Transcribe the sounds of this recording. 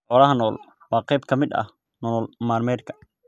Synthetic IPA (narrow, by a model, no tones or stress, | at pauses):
ħɔːlɐɦɐnɔːl | wɑːqɛjbkʰɐmɪd̪ɐ̰h | nɔlmaːrmɛːd̪̚kʰɐ̥